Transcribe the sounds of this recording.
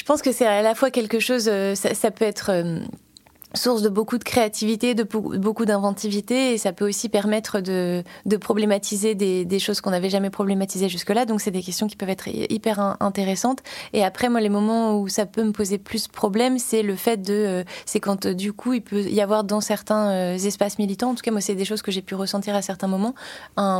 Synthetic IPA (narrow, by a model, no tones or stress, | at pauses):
ʒ̥ə̥pɑ̃skəsɛalafwakʲɛlkəʃozøsasapøɛt̪χøm | suʁsd̪əbokud̪əkχeat̪ivit̪ed̪əbokud̪ɛ̃vɑ̃t̪ivit̪eːsapøosipɛʁmɛt̪χəd̪əd̪əpχɔblemat̪ʰized̪ed̪eʃozkɔ̃navɛʒamɛpχɔblemat̪izeʒyskəlad̪ɔ̃ksɛd̪ekʲɛst̪jɔ̃kʲi̥pœvɛt̪χipɛʁɛ̃ɛ̃t̪eʁesɑ̃t̪eapχɛmwalemɔmɑ̃usapøməpozeplyspχɔblɛmsɛləfɛt̪̚d̪əøsɛkɑ̃t̪d̪ykʰuilpʰøijavwaʁd̪ɑ̃sɛʁt̪ɛ̃øzɛspasmilit̪ɑ̃ɑ̃t̪u̥kamwasɛd̪eʃoz̥kəʒepyʁəsɑ̃t̪iʁasɛʁt̪ɛ̃mɔmɑ̃ɛ̃